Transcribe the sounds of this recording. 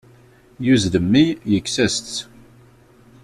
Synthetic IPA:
juzðəmːijəkːsæst͡s̪

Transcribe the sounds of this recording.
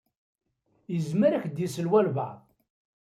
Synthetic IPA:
jəzməɾæçd̪jisəlwælva̰ʕð

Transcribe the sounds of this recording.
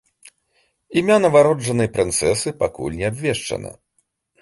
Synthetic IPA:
imʲanɐvaɾɔd͡ʐɐnɨjpɾɨnt̪sɛsɨpakṵlʲnʲɛabʲvʲɛʂt͡ʂɐ̰nɐ̰

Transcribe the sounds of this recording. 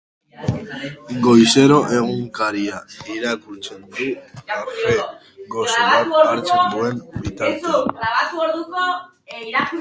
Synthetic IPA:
ɡo̞jse̞ɾo̞ʔe̞ɣ̞uŋkaɾiaiɾakult͡send̪uafe | ɡo̞soβat̪aɾt͡s̪d̪ue̞nbit̪aɾaβat̪uoɾðuko | ɾaku

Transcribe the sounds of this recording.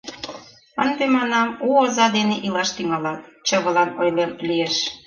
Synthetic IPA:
ənd̪emɑnɑmuozɑd̪eneʔilɑʃt̪yŋɑlɑt̪̚t͡ɕəβə̆lɑnojlemlieʃ

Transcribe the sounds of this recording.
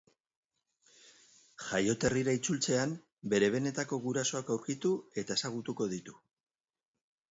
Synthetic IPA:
ʝajo̞t̪e̞riɾait͡sult͡se̞am | be̞ɾe̞β̞e̞ne̞t̪ako̞ɣuɾaso̞akawɾkit̪ue̞t̪ae̞saɣ̞ut̪uko̞ð̞it̪u

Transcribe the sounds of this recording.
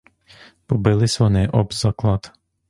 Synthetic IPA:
pɔbɪlˠɪsʲʋɔnɪʔɔbzɑklˠɑt̪

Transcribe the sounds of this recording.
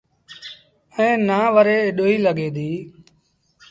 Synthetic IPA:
ɛ̃ːnaːʋəɾeːɪɗoːiːləɠeːd̪iː

